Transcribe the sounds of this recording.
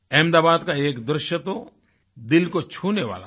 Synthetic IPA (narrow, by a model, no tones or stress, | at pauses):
ɛ̃ːmd̪aːbaːd̪kaeːkd̪ɾɪʃjət̪o | d̪ɪlkot͡ʃʰuːneʋa̰ːla̰